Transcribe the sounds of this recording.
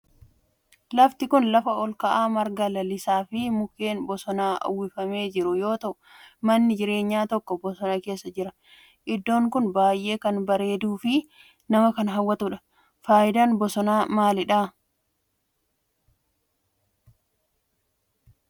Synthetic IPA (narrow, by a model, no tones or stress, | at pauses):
lɐft̪ɪkʊnlɐfɐɔlkɐʔaːmɐɾɡɐlɐlɪsaːfɪmʊkːe̞ːnbɔsɔnaːʔɐ̰wːɪfɐme̞ːd͡ʒɪɾʊjo̞ːt̪ɐʔʊmɐnːɪd͡ʒɪɾe̞ːɲːaːt̪ɔkːɔbɔsɔnake̞ːsːɐd͡ʒɪɾɐ | ʔɪd̪ːo̞ːŋkʊnbaːjʔe̞ːkɐnbɐɾe̞ːd̪uːfɪ | nɐmɐkɐnɦɐwːɐt̪ʊᶑɐ̥ | faːʔɪd̪aːnbɔsɔnaːmaːlɪᶑaː